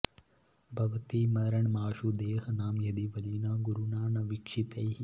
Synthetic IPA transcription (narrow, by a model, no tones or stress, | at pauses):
bʱɐʋɐt̪imɐd̪ɐɾɐɳmaːʃud̪eːɦɐnaːmjɐd̪iʋɐd̪inɐɡuɾunaːɳɐʋikʂit̪ɐji